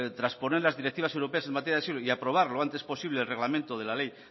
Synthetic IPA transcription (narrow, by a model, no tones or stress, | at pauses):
t̪ɾaspo̞neɾlazðiɾekt̪iβas̬ewɾo̞pe̞ase̞nmat̪ejaðsiloiapɾo̞β̞aɾloant̪e̞spo̞siβle̞ːlre̞ɣlamẽnt̪oðe̞lalej